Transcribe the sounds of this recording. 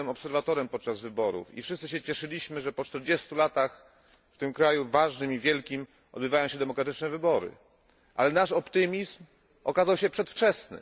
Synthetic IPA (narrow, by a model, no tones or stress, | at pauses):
ɛmɔpsɛɾvat̪ɔɾɛmpɔt̪̚t͡ʂazvɘbɔɾṵfḭfʂɘst̪sɘɕ̬ɛt͡ɕɛʂɘlʲiɕmɘʐɛpɔt͡ʂt̪ɛɾd͡ʑɛst̪ulat̪ax | ft̪ɘmkɾajuvaʐnɘmivʲjɛlkʲim | ɔ̰d̪bɘvajɔ̃w̃ɕɛd̪ɛmɔkɾat̪ɘt͡ʂnɛvɘbɔɾɘ̰ | ʔa̰lɛnaʂɔpt̪ɘmʲizm | ɔkazawɕɛpʂɛt̪ft͡ʂɛsnɘ̰